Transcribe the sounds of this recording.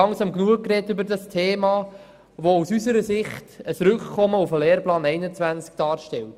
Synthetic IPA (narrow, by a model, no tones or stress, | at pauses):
ɑŋsɑmknuəkːɾɛtʏbəɾdɑstʰeːmɑː | ʋousysəɾəsɪχtəsɾʏkkʰɔməufəleːɾplɑːnɛɪnət͡svænt͡sk̚d̥ɑːɾʃtɛlt